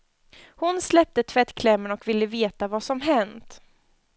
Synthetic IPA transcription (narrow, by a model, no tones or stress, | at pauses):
hʊnslɛp̚t̪ət̪ʰvɛt̪ːkʰlɛmːənɔkvɪlːəveːt̪avasɔmɦɛnt̪